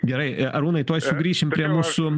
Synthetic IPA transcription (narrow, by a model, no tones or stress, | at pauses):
ɡʲɛɾɐɪʔɐɾuːnɐɪt̪uɔjsʲʊɡɾʲiːʃʲɪmpʲɾʲiɛmuːsʊ